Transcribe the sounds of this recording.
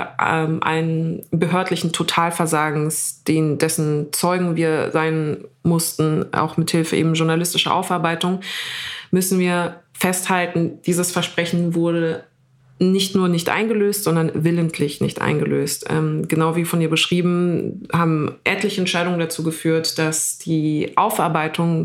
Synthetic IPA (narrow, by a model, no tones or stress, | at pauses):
ʔɛmʔa̰ɪnnbəɦøːɐtlɪçn̩tʰotʰaːlfɛɐzaːɡŋ̩sd̥eːndɛsn̩t͡sɔʏɡŋ̩viːɐzaɪnmʊstn̩ʔa̰ʊxmɪthɪlfəʔḛːbm̩ʒʊɐnalɪstɪʃɐ̰ʔa̰ʊfʔaɐbaɪtʊŋ | mʏsn̩viːɐfɛsthaltn̩d̥iːzəsfɛɐʃpʁ̥ɛçn̩vʊɐdə | nɪçtnuːɐnɪçtʔa̰ɪnɡəløːstz̥ɔndɐnvɪləntʰlɪçnɪ̰çtʔa̰ɪnɡəlø̰ːstʔɛ̰ːmɡ̥ənaʊviːfɔniːɐbəʃʁ̥iːbm̩haːbm̩ʔɛtlɪçəɛntʃaɪɾʊŋəndat͡suːɡəfyːɐtd̥asd̥iːʔaʊfʔaɐbaɪtʰʊŋ